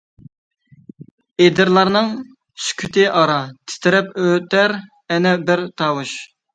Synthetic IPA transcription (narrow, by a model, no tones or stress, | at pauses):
ed̪ɪɾlˠɑɾnɨŋ | sy̥kʲʰyt̪ʰɪʔɑɾɑt̪ʰɪ̥t̪ʰɪɾɛpøt̪ʰæɾ | ɛnɛbɪɾt̪ʰɑːwuʃ